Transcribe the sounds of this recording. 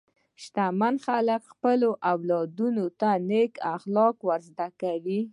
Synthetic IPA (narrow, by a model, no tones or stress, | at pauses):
ʃt̪amanxaləkxpəloʔawlɑd̪unot̪anekaxlɑkwaɾzd̪akawi